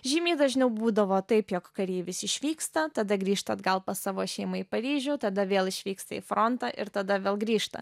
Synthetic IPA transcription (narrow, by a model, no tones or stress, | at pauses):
ʒʲiːmʲiːd̪ɐʒʲnʲɛʊbuːd̪ɐʋoːt̪ɐɪpjoːkkɐɾʲeːʋʲɪsɪʃʲʋʲiːkst̪ɐt̪ɐd̪ɐɡɾʲiːʃt̪ɐd̪ɡɐlˠpɐsɑːʋoːʃʲɛɪmɐipɐɾʲiːʒʲuːt̪ɐd̪ɐʋʲeːlˠɪʃʲʋʲiːkst̪ɐḭfɾont̪ɑʔɪ̰ɾt̪ɐd̪ɐʋʲeːlˠɡɾʲiːʃt̪ɐ̰